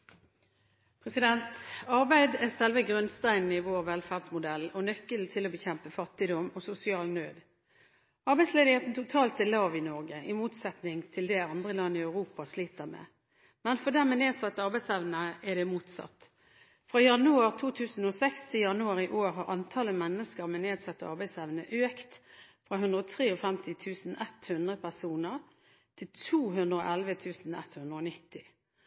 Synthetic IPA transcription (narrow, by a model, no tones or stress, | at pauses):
pʰʁɛsɪd̪ɛnt̪ɑʁbæɪd̪æsɛlʋəɡʁœnst̪æɪnn̩ɪʋoːʁʋɛlfæːʁd̪smʊd̪ɛlɔnœkːəlt̪ʰɪlɔbəçɛmpəfɑt̪ːɪd̪ɔmɔsʊsɪɑːlnøːd̪ | ɑʁbæɪsleːd̪ɪheːt̪n̩t̪ʰʊt̪ʰɑːlt̪ɛlɑːʋɪnɔʁɡəʔɪmuːt̪sɛt̪nɪŋt̪ʰɪld̪ɛɑnd̪ʁəlɑnːɪɑʉʁuːpɑsliːt̪əʁmḛː | mɛnfɔd̪æʁmɛneːd̪sɑt̪ːɑʁbæɪsɛʋnəɛd̪ɛmuːt̪sɑ̰t̪ː | fʁɑjɑnʉɑʁt̪ʰuːt̪ʰʉːsn̩ɔsɛkst̪ʰɪljɑnʉɑʁɪʔoːɾɦɑʁɑnt̪ʰɑːləmɛnːəskəɾmɛneːd̪sɑt̪ːəɑ̰ʁbæɪsɛʋnəʔøːkt̪fʁɑɦʉnd̪ʁɔt̪ʰʁeːɔfɛmt̪ʰɪt̪ʰʉːsn̩ʔɛt̪hʉnd̪ʁəpʰæʁsuːnəʁ | t̪ʰɪlt̪ʰuːɦʉnd̪ɾəo̰ʔælʋət̪ʰʉːsn̩ɛ̰t̪hʉnd̪ɾəɔnɪt̪ːɪ